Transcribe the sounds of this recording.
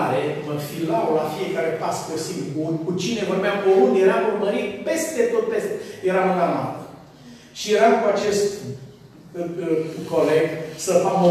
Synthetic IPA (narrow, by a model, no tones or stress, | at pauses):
ɾeməfilawlafie̞kaɾe̞paspesiŋbunkut͡ʃine̞vormeamkolunjeɾamurməɾit̪̚pe̞st̪e̞t̪o̞t̪̚pesje̞ɾamɨana̰t̪ə | ʃijeɾamkuat͡ʃe̞st̪ | ko̞le̞ɡsəfamo